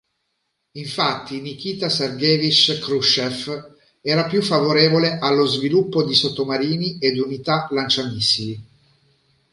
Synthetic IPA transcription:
iɱfat̪ːinik̟iːt̪asarɡeːvit͡ʃkɾuʃef | ɛːɾapjufːavoɾeːvoleʔalːozvilupːod̪isot̪ːomaɾiːnied̪unit̪alant͡ʃamisili

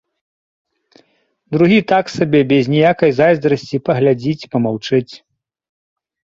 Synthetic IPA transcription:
d̪ɾuɣʲit̪aksabʲɛbʲɛzʲnʲɛjakɐjzajzd̪ɾɐsʲt͡sʲipɐɣlʲad͡zʲit͡sʲpɐmawt͡ʂɨt͡sʲ

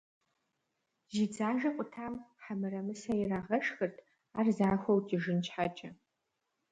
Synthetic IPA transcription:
zid͡zaːʒɐqʷʼʊtʰaːmħamɨrɐmɨsɐiraːʁɐʂxɨrtʰ | aːrzaːxʷowtʼiʒɨnt͡ʃʰħat͡ʃʼɐ

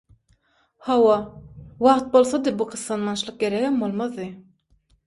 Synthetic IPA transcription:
hɑwɑwɑʁt̪̚bo̞lˠθɑd̪ɯbuqɯsːɑnmɑnʃlˠɯq̚ɡeɾeɡembolˠmɑðːɯ

